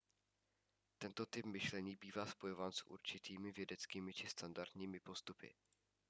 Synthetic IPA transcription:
t̪ɛnt̪o̞t̪ɪpmɪʃlɛɲiːbiːvaːspo̞jo̞vaːnsʔṵɾt͡ʃɪt̪iːmɪvjɛdɛt͡skiːmɪt͡ʃɪst̪andaɾt̪ɲiːmɪpo̞st̪upɪ̰

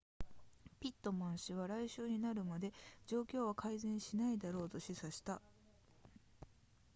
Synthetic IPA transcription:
pʲit̪ːo̞mãɰ̃ɕiβ̞aɾaiɕɨːɲ̟inaɾɯ̟mad̪e̞d͡ʑo̞ːkʲo̞ːβakʰaizẽ̞ɰ̃ɕinaid̪aɾo̞ːt̪o̞ɕisaɕi̥t̪a

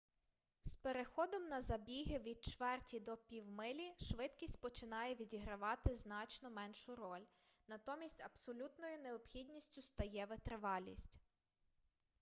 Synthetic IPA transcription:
speɾexɔd̪ɔmnɐzɐbʲiɦɪʋʲid̪̚t͡ʃʋɛrtʲid̪ɔpʲiwmɪlʲiʃʋɪd̪kʲisʲtʲpɔt͡ʃɪnɑjɛʋʲidʲiɦɾɐʋɑt̪ɪznɑt͡ʃnɔmɛnʃʊɾɔlʲ | nɐt̪ɔmʲisʲtʲɐbsɔlʲut̪nɔjʊneɔbxʲid̪ʲnʲisʲtʲʊst̪ɐjɛʋɪt̪ɾɪʋɑlʲnʲḭsʲtʲ

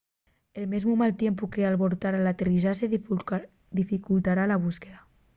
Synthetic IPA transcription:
elmezmumalt̪jempukealβoɾt̪aɾalat̪erizase | d̪ifikult̪aɾalaβ̞uskeða

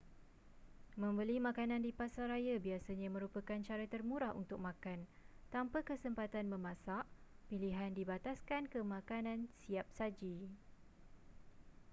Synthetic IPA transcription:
mə̃mbəlimãkanãndipasaɾajabiasaɲãmə̃ɾupakant͡ʃaɾat̪ərmũɾahṵnt̪ʊk̚mãkant̪ampakəsəmpat̪anməmãsaʔpiliɦandibat̪askankəmãkanãnsiap̚sad͡ʒi

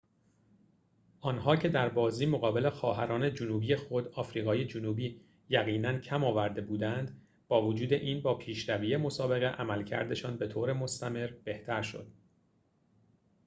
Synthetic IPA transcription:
ʔɒːnɦɒːcʰe̞d̪æɾbɒːziːmoɣɒːbe̞le̞xɒːɦæɾɒːne̞d͡ʒonuːbije̞xod̪ɒːfɾiːɣɒːje̞d͡ʒonuːbiː | jæɣiːnæncʰæmɒːvæɾd̪e̞buːd̪ænd̪ | b̥ɒːvod͡ʒuːd̪e̞ʔiːnbɒːpʰiːʃɾæviːjemo̞sɒːbe̞ɣe̞ʔæmælcʰæ̰ɾd̪e̞ʃɒːnbe̞t̪ʰoːɾe̞mo̞st̪æme̞ɾb̥e̞ht̪ʰæɾʃo̞̰d̪̥̚

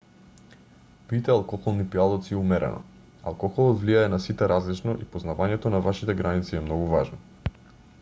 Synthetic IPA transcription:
pit̪ɛalˠkɔxɔlˠnipialˠɔt̪siɛumɛɾɛ̰nɔ̰ | a̰lˠkɔxɔlˠɔt̪vliaɛnasit̪ɛɾazlit͡ʃnɔʔipoznavaɲɛt̪ɔnavaʃit̪ɛɡɾanit̪siɛmnɔɡuvaʒnɔ

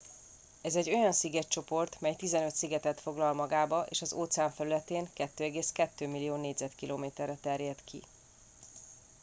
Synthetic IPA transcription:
ɛzɛɟːo̞jɒnsiɡɛtt͡ʃo̞po̞rt̪mɛjt̪izɛnø̞t̪siɡɛt̪ɛt̪fo̞ɡlɒlmɒɡaːbɒʔḛːʃɒzoːt̪sɛaːɱfɛɾylɛt̪eːŋkɛt̪ːøːɛɡeːskɛt̪ːøːmilːijoːneːɟzɛt̪kiloːmeːt̪ɛrːɛt̪ɛrjɛt̪kʰḭ

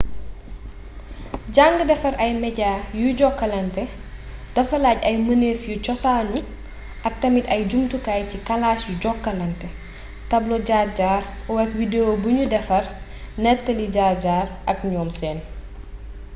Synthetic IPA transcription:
ɟaŋɡədɛfɐɾɐjmɛɟaːjuɟɔkːɐlɐntɛ | d̥ɐfɐlaːɟɐjməneːfjucɔsaːɲu | ʔɐk̚tɐmitɐjɟumtukaːjcikɐlaːsjuɟɔkːɐlɐntɛ | tɐblɔɟaːɟaːɾ | ɔwɛkwideobuɲudɛfɐr | nɛtːɐliɟaːɟaːɾʔɐk̚ɲɔːmsɛːn

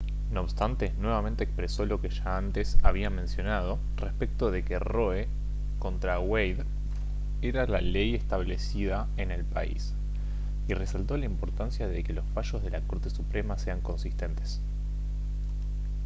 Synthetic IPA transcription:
no̞ːβst̪ant̪e̞nwe̞β̞ament̪eːkspɾeso̞lo̞keʒaant̪e̞saβiamẽ̞nsjo̞nað̞o̞ | respek̚t̪o̞ð̞e̞ke̞ro̞e | ko̞nt̪ɾaɣwejð | e̞ɾalalejest̪aβle̞siða | e̞ne̞lpa̰ḭs | ire̞salt̪o̞laimpo̞ɾt̪ansjaðeke̞lo̞sfaʃo̞zð̞e̞lako̞ɾt̪e̞supɾe̞mase̞aŋko̞nsist̪e̞nt̪e̞s

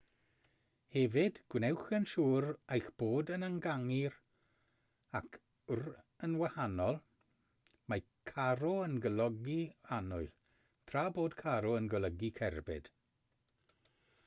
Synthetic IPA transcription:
hɛvɪd̥ɡ̥wnɛwxənʃuːɾajxb̥oːdənaŋɡaŋiɾ | akʰ | ɾ | ənwahanɔlˠ | maj | kʰaɾɔənɡəlɔɡianʊjl | t̪ʰɾaːboːdkʰaɾɔənɡələɡikʰɛɾbɪ̰d̥

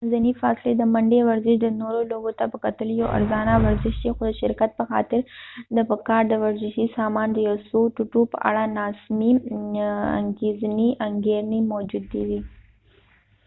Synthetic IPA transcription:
zɐnifa̰ːsled̪əmɐɳɖeʋɐɾzɪʃd̪ənoɾoloːɡot̪apəkɐt̪əlijoʔɐ̰ɾzaːnaʋɐɾzɪʃd̪exod̪əʃɪɾkɐt̪̚pəxa̰ːt̪ɪɾd̪əpəkaːɾd̪əʋɐɾzɪʃisaːmaːnd̪əjosoʈʊʈupə̰ʔa̰ɽanaːsmi | ɐ̰ŋɡezniʔɐŋɡeːɾnimod͡ʒud̪ːid̪i

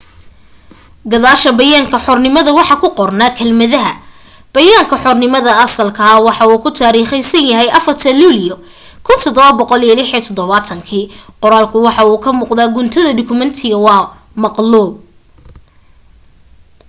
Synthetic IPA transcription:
ɡɐðaːʃɐbɐjaːŋkʰɐħɔrnɪmɐðɐwɑħɑkʰʊqɔrnɐkʰɐlmɐðɐɦɐ | b̥ɐjaːŋkʰɐħɔrnɪmɐðɐɐsɐlkʰɐwɑħɑuːkʰʊt̪ʰaːɾiːχɛjsɐnjɐɦɛjʔɐfɐrt̪ʰɐluːlɪjɔ | kʰʊnt̪ʰɔd̪ɔβɐbɔqɔliɛlɪħiːt̪ʰɔd̪ɔβaːt̪ʰɐŋkʰiːqɔɾaːlkʰʊwɑħɑuːkʰɐmuːqd̪aːɡʊnt̪ʰɐðɐdʊkʰʊmɐnt̪ʰɪɣɐwɑː | mɑqluːb̚

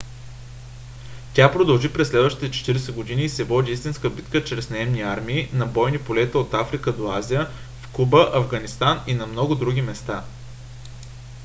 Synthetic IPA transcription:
t̪ʲapɾod̪ɐlˠʒipɾɛsːlɛd̪vəʃt̪it̪ɛt͡ʃɛ̥t̪iɾɛsɛɡod̪iniːsɛvɔd̪ʲiist̪inskəbit̪kət͡ʃɾɛsnɐɛmniaɾmiːnɐbɔjnipolɛt̪əot̪afɾikəd̪oazijə | fkubəʔɐvɡɐnist̪aninɐmnɔɡʊd̪ɾuɡʲimɛst̪a

